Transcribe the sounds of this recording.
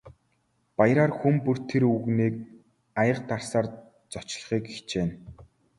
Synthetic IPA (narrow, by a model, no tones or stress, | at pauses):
pajɾaːrxumpur̥t̪ʰeɾuɣniːk̚ | ajə̆q̚t̪arsaːr | t͡sɔt͡ɕɮə̆χiːkixt͡ɕeːn